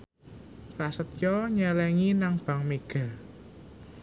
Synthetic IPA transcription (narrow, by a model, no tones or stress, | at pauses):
rasət̪̚jɔɲɛlɛŋinaŋb̥ä̤ŋmeɡ̥a̤